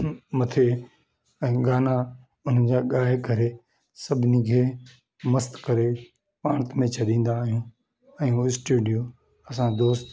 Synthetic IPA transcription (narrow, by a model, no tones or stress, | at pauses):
mɐt̪ʰe | ɛ̃ːɡaːna | ʊn̤əd͡ʑaːɠaːɦɪkɐɾe | sɐbʱɪnikʰeː | mɐst̪kɐɾe | paːɽ̃ət̪mẽt͡ɕʰɐɗĩːn̆d̪aːɦijũ | ɛ̃ũɪsʈuːɖijo | ɐs̬ãd̪oːst̪